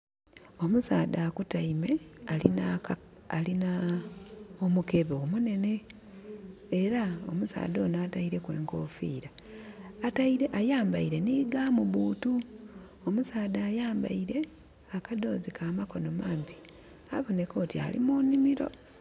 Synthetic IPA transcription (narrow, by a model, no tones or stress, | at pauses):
o̞musaːdaːkutaime̞alinaː | lina | omuke̞βeomune̞ne̞ | ɾao̰musa̰ːdo̞ːnaːtaiɾe̞kwe̞̰ːŋko̞ːfḭːɾaː | taʔajaːmbaiɾe̞niɡaːmuβuːtu | omusaːdaːjaːmba̰iɾe̞ | akado̞ːzikaːmako̞no̞maːmbi | aβone̞ko̞ːtia̰lḭmunimiɾo̞̰